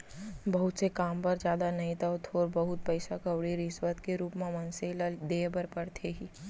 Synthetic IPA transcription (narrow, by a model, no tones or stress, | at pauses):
bɐɦʊt̪sekaːmpɐɾd͡ʒjaːd̪anɐɦĩt̪aot̪ʰoːɾbɐɦʊt̪̚pɛɪsakɐwɽiɾɪsʋət̪keɾuːpmẽmɐnseld̪eːbəɾpɐɾt̪ʰeɦiː